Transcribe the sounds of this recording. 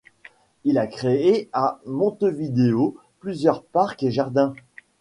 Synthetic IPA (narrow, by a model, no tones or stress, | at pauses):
ilakχeeamɔ̃t̪əvid̪eo | plyzjœʁpaʁkeʒaʁd̪ɛ̃